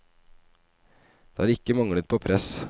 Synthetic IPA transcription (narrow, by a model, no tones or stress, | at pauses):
d̪̥eːɑːɾɪkːəmɑŋɽət̪̚pʰoːpʰɾɛs